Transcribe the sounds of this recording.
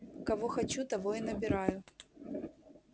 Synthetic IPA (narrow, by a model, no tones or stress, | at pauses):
kɐvoxɐt͡ɕut̪ɐvoinəbʲɪɾajʊ